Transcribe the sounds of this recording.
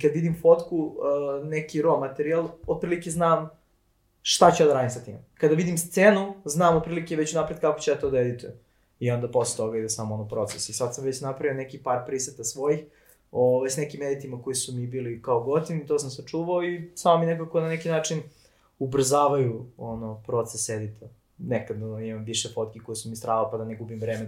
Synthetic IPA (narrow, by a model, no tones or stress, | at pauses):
ikad̪ʋid̪imfot̪kunekiɾomat̪eɾialˠot̪̚pɾiːlikeznaːm | ʃt̪at͡ɕad̪aɾaːd̪imsat̪ḭmekad̪aʋid̪imst̪seːnuznaːmot̪̚pɾiːlikeʋet͡ɕunapɾed̪kako̥t͡ɕeat̪od̪ajed̪it̪ʰe | io̞nd̪apo̞slet̪o̞ɡaid̪esamoonopɾo̞t̪sesisad̪sɐmʋet͡ɕnapɾɐʋio̞nekipaːɾpɾiset̪asʋo̞jix | oʋajsnekimːed̪it̪imako̞jisumibiːlikaoɡot̪iit̪osamsat͡ʂuːʋaoisamominek̬ako̞nanekinaːt͡ʂin | ubr̩zaːʋajuonopɾot̪sesjed̪it̪ʰo | nekad̪imamviʃefot̪̚kiko̞jisumist̪ɾaːdalpad̪aneɡubimvɾeːme